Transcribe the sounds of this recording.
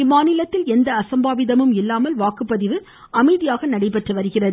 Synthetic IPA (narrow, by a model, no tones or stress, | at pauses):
ɪmaːnɪlɐt̪ːɪlɛnd̪ɐːsɐmbaːʋɪðɐmɯmɪlːaːmɐlʋaːkɯpːɐðɪʋɯ | ɐmɐɪðɪjaːɣɐnɐɽɐɪpɐʈrɯʋɐɾɯɣɪrɐðɯ